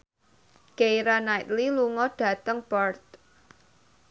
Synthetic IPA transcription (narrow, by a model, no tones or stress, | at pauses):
ɡ̥ejɾanajt̪liluŋɔɖ̥ä̤t̪əŋpɔrt̪̚